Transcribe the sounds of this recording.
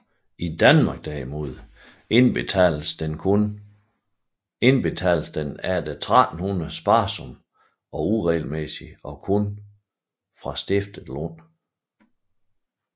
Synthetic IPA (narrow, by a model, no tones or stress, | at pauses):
ʔid̥ænmɑ̈ɡ̥̚d̥ɛ̰imo̝ð̞̰ˠ | nbʰ | n | e̝nb̥e̝t͡sʰɛ̰lsd̥enæɐd̥et͡sʰʁad̥n̩hunɐð̩ˠsb̥ɑ̈ːsɔ̽m | ɒ̽uʁɛːlmesiɒ̽kʰon | fʁɑ̈sd̥e̝fd̥əð̩ˠlon̰